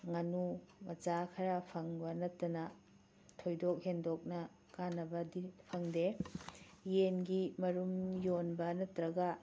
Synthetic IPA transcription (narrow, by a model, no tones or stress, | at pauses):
ŋɐnumɐd͡ʒakʰɐɾɐpʰɐŋbɐnɐtːɐnɐ | tʰojdok̚hendok̚nɐ | kanːɐbɐdipʰɐŋde | jenɡimɐɾumjonbɐnɐtɾɐɡɐ